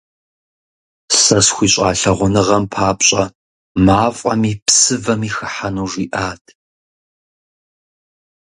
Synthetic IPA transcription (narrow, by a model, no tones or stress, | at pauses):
sɐsxʷiːɕʼaːɬɐʁʷʊnɨʁɐmpʰaːpɕʼɐ | maːfʼɐ̰miːpsɨvɐmiːxɨħanuːʐiːʔaːtʰ